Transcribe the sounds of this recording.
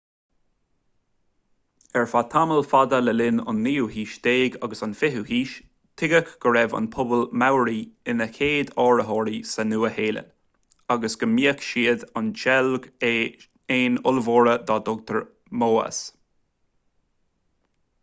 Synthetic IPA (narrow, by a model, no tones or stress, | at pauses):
ɛɹfat̪ʰaməlfad̪ələlɪnʊ̰nːiːuɦiːʃd̪eːɡaɡəsanfɪɦuhiːʃ | t̪ʰɪɡəkɡ̥əɹɛva̰npʰʊbəlmawɾiɪnəkʰeːd̪ɔːɹəɦɔːɾisənuːəheːlə̰n | aɡəsɡ̥əmiːəkʃiːəd̪anʃɛlɡ | eːnʊlvoːɹəd̪ɑːd̪ɔɡ̚t̪əɹ | moːə̰s